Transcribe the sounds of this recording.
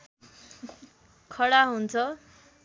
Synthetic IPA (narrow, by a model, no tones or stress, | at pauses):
kʰʌɽaɦunt͡sʰʌ